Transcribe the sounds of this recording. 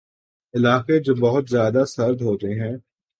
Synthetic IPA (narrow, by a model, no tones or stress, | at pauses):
ɪlaːked͡ʒoːbɐɦʊt̪zjaːd̪asɐɾd̪ɦoːt̪eɦɛ̃ː